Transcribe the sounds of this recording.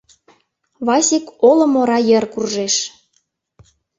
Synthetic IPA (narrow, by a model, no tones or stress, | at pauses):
βɑsʲekolŏmoɾɑjə̆rkurʒeʃ